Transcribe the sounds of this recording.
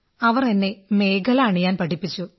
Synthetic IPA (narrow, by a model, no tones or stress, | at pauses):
ɐʋɐrenːe̞me̞ːkʰɐlaːɳɨɲaːnpɐʈipːit͡ɕːu